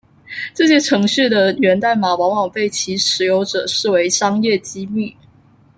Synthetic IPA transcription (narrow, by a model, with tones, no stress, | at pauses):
ʈ͡ʂɤ˥˩ɕjɛ˥ʈ͡ʂʰɤ˧˥ŋɕy˥˩d̪ə˩ɥɛ˧˥nt̪a˥˩ɪma˨˩wɑ˧˥ŋwɑ˨˩ŋpe˥˩ɪt͡ɕʰi˧˥ʂɻ̩˧˥jo˧˥ʊʈ͡ʂɤ̰˨˩ʂɻ̩˥˩we˧˥ɪʂɑ˥ŋjɛ˥˩t͡ɕi˥my˥˨